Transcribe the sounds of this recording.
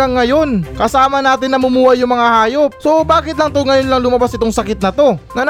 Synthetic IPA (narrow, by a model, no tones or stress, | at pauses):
ɐŋːɐjo̞nkɐsaːmɐnaːt̪ɪnːɐmʊmuːhɐjʊŋmɐŋahaːjo̞p̚sobaːkɪt̪lɐŋt̪oŋɐjonlɐŋlʊmɐbasʔɪt̪oŋsɐkɪt̪̚nɐt̪o̞ŋɐn